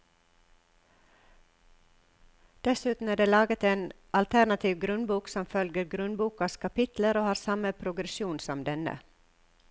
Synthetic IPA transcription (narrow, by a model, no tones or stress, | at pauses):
d̪̥ɛsʉːt̪n̩æːɖeːlɑːɡət̪eːn | ʔɑlt̪ʰænɑt̪ʰiːʋɡɾʉnbuːksɔmfœlɡəɾɡɾʉnbuːkɑskʰɑpɪt̪ləɾoːhɑːɾsɑməpʰɾʊɡɾɛʃjuːnsɔmd̪ɛnə̰